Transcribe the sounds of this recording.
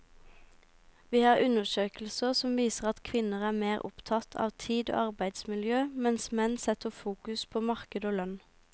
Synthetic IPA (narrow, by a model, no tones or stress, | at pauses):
ʋiːhɑːʁʔʉnəʃøːkl̩səʁsɔmʋiːsəʁɑt̪kʰʋɪnəʁæːmeːʁʔʊ̰pt̪ʰɑt̪ʰɑ̰ːʋt̪ʰiːd̪o̰ːɑʁbæɪd̪smɪljøːmɛnsmɛnsɛt̪əfuːkʉspʰoːmɑʁkəd̪oːlœn